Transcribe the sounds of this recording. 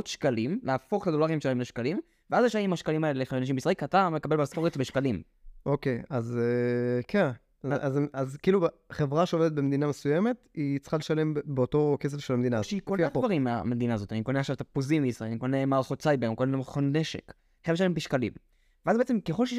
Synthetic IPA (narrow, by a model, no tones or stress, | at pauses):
ot̪ʃkalimleafo̞χt̪ad̪o̞laʁiemʃeaimleʃkalim | veazjeʃajaimhaʃkalimaelelexaenaʃimbisʁaelkatamlekabelbeskoʁetbeʃkalim | okejazekʰen | ʔazazkiːluχevʁaʃeoved̪et̪̚bemed̪inamesujeme̞t̪it͡sχaleʃale̞mbeoto̞kes̬efʃelamed̪inaʃeikoapvaʁimːea̰me̞d̪inaːzo̞t̪ianiko̞neaχʃavt̪apozimbeisʁaeniko̞nemaʁχot̪sajbenkonemχoneʃḛk | χeʃ̬alembiʃkalḭm | veazbeet͡semkeχolʃei